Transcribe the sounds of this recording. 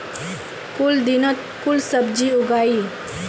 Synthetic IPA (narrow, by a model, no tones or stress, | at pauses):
kʊld̪inət̪ | kʊlsəbd͡ʒiʊɡaːi